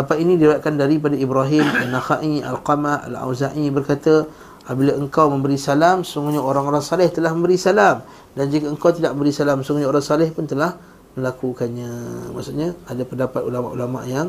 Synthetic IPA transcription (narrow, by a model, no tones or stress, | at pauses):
apainĩdiwat̪̚kandaɾip̬adaibɾaɦɪmanːaxaʔia̰lqamaa̰la̰wzaʔibərkat̪ə | abilaəŋkawmə̃mbəɾisalamsəuŋɡuɲaoɾaŋoɾaŋsalɛht̪əlahmə̃mbəɾisalam | dand͡ʒikəəŋkawt̪idaʔməmbəɾisalamsuŋɡuɲaoɾaŋsalɛhpʊnt̪əlah | mə̃lakukanɲama̰ʔsuʔɲaadapəndapat̪ulama̰ʔulama̰ʔjaŋ